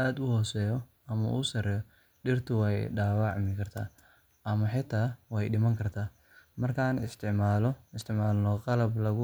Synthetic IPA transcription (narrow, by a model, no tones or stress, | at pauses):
ʔaːd̪ʊhɔːsɛːjɔ | ɐmɐ̰ʔusɐɾɛjɔ | ɖɪrt̪ʰʊwɛjɖaːwɑʕmɪkʰɐrt̪ʰa̰ː | ʔɐmɐħɪt̪ʰaːwɛjɖɪmɐŋkʰɐrt̪ʰaː | mɐrkʰaːnɪst̪ʰɪʕmaːlɪst̪ɪʕmaːlnɔqɑlɐblɐɣʊ